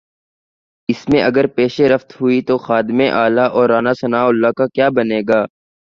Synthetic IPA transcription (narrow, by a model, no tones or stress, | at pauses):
ɪsmẽʔɐɡəɾpeːʃeɾɐft̪ɦʊit̪oxaːd̪ɪmẽʔaːlaʔɔːɾːaːnasɐnaːʊlːakakjaːbɐneːɡaː